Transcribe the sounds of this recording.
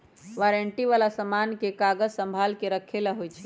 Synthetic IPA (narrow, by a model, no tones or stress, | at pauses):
ʋaɾeɳʈiʋalasəmankekaɡəd͡ʒsəmbʱalkeɾəkʰelaɦojt͡ʃʰɛ̥